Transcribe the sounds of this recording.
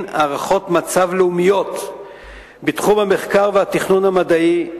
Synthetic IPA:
naʁaχo̞tmat͡savleumijo̞t | bitχumameχkaʁvehatiχnunhamadai

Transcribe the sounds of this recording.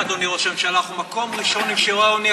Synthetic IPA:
ad̪oniʁoʃevʃealaχumako̞mʁiʃo̞niʃiʁaoni

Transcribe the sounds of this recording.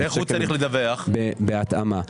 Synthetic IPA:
eχut͡saɾiχled̪aveaχbebeat̪ama

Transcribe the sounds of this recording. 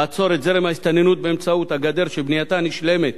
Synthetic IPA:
at͡so̞ɾet̪zeʁemaist̪anenut̪̚beemt͡saut̪haɡad̪e̞ʁʃebnijat̪aniʃle̞met̪

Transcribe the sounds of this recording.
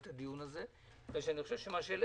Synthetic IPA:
t̪ad̪ijunaze | d̪aʃeaniχoʃe̞vʃemaʃele

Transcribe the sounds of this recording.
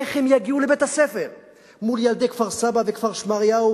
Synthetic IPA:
eχhemjaɡiulebet̪hasefeʁ | muljald̪ekv̥aʁsabavekv̥aʁʃmaʁjau

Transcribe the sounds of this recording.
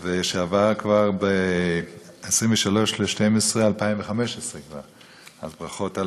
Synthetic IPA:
veʃeavaʁkvaʁbe | esʁimveʃalo̞ʃleʃtemesʁealpaimveχameʃesʁekva̰ʁ | azbʁaχo̞ta

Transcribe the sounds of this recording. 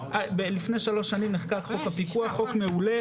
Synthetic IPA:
abelifnejʃalo̞ʃːanimniχkakχo̞khapikuaχo̞kmeule

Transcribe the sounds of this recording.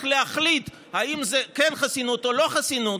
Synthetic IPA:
leaχlit̪ | haimzekenχasinut̪olo̞χasinut

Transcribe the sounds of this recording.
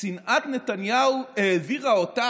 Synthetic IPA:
inʔat̪ne̞tanjaueːviʁaota

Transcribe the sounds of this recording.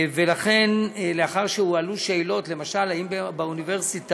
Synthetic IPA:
ve̞laχe̞nleaχaʁʃehualuʃeːlo̞tle̞maʃalhaimbbauniveʁsit

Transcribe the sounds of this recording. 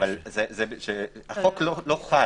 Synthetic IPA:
alzezeʃeaχokloloχa

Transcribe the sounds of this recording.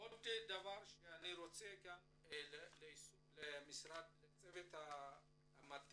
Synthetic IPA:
od̪edavaɾʃeaniɾot͡seɡam | leisulemisɾad̪̚let͡sevet̪a | mat̪

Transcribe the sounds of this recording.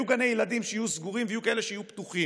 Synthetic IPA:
uɡanejelad̪imʃejajuzɡuʁimveijukae̞leʃeajupt̪uχi

